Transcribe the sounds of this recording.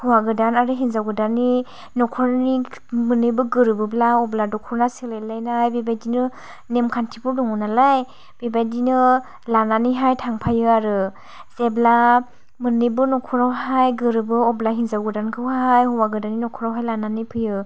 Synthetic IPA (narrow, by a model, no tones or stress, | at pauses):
hɔwaɡɯdanaɾɯɦinzawɡɯdani | nɔkʰɔɾnimɯnɯbɯɡɯɾɯbɯblaɔbladɔkʰɔɾnaselajlajnajbebajdinɯ | nemkʰantʰibɔdɔŋɔnalaj | b̥ebajdinɯ | lananiɦajtʰaŋpʰajɯaɾɯ | zebla | mɯnɯbɯnɔkʰɔɾawɦajɡɯɾɯbɯɔblaɦinzawɡɯdankʰɯwɦajhɔwaɡɯdaninɔkʰɔɾawɦajlananipʰɯjɯ